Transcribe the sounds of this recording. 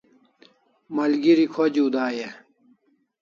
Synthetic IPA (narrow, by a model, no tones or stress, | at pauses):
mɐlɡiɾikʰod͡ʑuːd̪aːje